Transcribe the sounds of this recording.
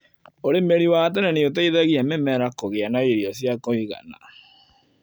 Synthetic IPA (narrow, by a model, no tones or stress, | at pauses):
oɾemeɾiwatɛnɛneot̬aiðaɣiamemɛɾakoɣeanaiɾiɔsjakoiɣa̰na̰